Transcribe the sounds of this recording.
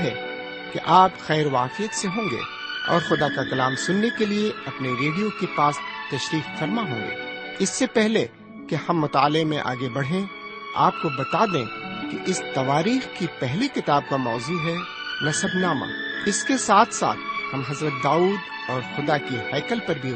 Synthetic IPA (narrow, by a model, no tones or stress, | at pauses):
ɦɛ | keʔaːpxɛːɾʋaːqijət̪seɦõːŋɡḛː | ɔ̰ːɾxʊd̪akakɐlaːmsʊnːekelieɐpneɾeːɖijokepaːst̪ɐʃɾiːqfɐɾmaɦõːŋɡḛː | ɪsːepɛɦle | kehɐ̃mːʊt̪aːlemẽʔa̰ːɡebɐɽ̤ɦẽ | a̰ːp̚kobɐt̪ad̪ẽːkeʔɪst̪ɐʋaːɾiːxkipɛɦlikɪt̪aːb̚kamɔːzuːɦɛ | nɐsəbnaːma̰ɪskesaːt̪ʰsa̰ːt̪̚ʰhɐmɦɐzɾət̪̚d̪aːuːd̪ | ɔːɾxʊd̪akihɛːkəlpɐɾbʱi